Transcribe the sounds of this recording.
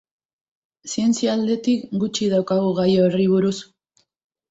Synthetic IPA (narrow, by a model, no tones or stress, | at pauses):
sie̞nt͡siald̪e̞t̪ikɡut͡ʃiðawkaɣuɣajoeriβuɾus